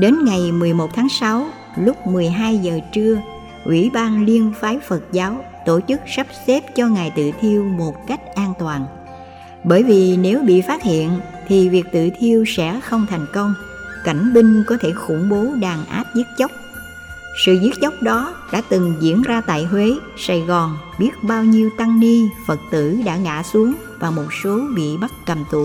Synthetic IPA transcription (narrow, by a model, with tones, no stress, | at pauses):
ɗe˨˦nŋa˨˩jmɨ˨˩əjmo˨˩t̚t̪ʰaː˨˦ŋsa˨˦w | lʊ˦˥k͡p̚mɨ˨˩əjɦaː˧jzəː˨˩t͡ɕɨ˧ə | ʔwʔḭ˧˩ɓaː˧nli˧ənfaː˨˦jfə˨˩t̚zaː˨˦w | t̪o˧˩t͡ɕɨ˦˥k̚sə˦˥p̚sɛ˦˥p̚t͡ɕɔ˧ŋaː˨˩jt̪ɨ̰˧˨t̪ʰi˧əwmo˨˩t̚ka˦˥jk̟̚ʔaː˧nt̪waː˨˩n | ɓəː˧˩jvi˨˩ne˨˦wɓḭ˧˨faː˦˥t̚hḭ˧˨ənt̪ʰi˨˩vi˨˩ək̚t̪ɨ̰˧˨t̪ʰi˧əwsɛ̰˧˥xə˧wŋ͡mt̪ʰa˨˩jŋ̟kə˧wŋ͡m | ka˧˩jŋ̟ɓï˧ŋ̟kɔ˨˦t̪ʰe˧˩xʊ̰˧˩ŋ͡mɓo˨˦ɗaː˨˩ŋʔa̰ː˦˥p̚zi˦˥t̚t͡ɕə˦˥wk͡p̚ | sɨ̰˧˨zi˦˥t̚t͡ɕə˦˥wk͡p̚ɗɔ˨˦ɗa̰ː˧˥t̪ɨ˨˩ŋzḭ˧˥ənzaː˧t̪a̰ː˧˨jɦwe˨˦ | sa̰˧˩jɣɔ˨˩n | ɓi˦˥ət̚ɓaː˧wɲi˧əwt̪a˧ŋni˧fə˨˩t̚t̪ɨ̰˧˥ɗa̰ː˧˥ŋa̰ː˧˥su˨˦əŋ | vaː˨˩mo˨˩t̚so˨˦ɓḭ˧˨ɓa˦˥t̚kə˨˩mt̪ṵ˨˩˨